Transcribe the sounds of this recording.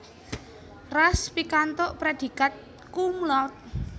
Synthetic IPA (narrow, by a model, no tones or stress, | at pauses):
raspikant̪oʔpɾed̪̥i̤kat̪̚ | kumlɔt̪̚